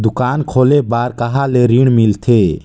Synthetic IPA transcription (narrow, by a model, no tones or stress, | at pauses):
d̪ukankʰolebaɾkaɦaleɾiɽmilt̪ʰe